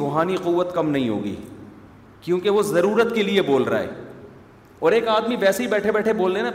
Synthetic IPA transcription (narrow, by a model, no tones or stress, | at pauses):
oːɦaːniquʋːət̪kɐmnɐɦĩɦo̰ːɡḭː | kjõːkeʋozɐɾuːɾət̪kelieboːlɾa̰ːɦɛ̰ː | ɔːɾeːkaːd̪miʋɛːseɦibɛːʈʰebɛːʈʰeboːld̪ena